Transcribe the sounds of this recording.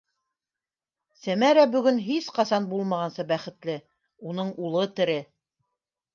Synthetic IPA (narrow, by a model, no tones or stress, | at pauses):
sæmæɾæbɵ̆ɡɵnɦisqɑsɑnbulˠmɑʁɑnsɤbæχɘ̆t̪lɘ | unɤɴulˠɤt̪ɘ̆ɾɘ